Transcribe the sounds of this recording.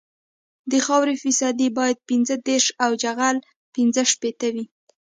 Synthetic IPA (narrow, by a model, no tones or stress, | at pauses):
d̪əxɑwɾefɪsɑd̪ibɑjad̪̚pinzəd̪eɾʃawd͡ʒaɣal | pinzəʃpet̪awi